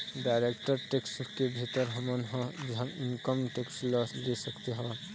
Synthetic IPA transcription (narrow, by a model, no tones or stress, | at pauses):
ɖaːɾekʈəɾʈeːkskebʱit̪əɾɦɐmənɦɔ̃d͡ʒɦəmɪnkəmʈeːkslɔlesəkt̪eɦɔ̃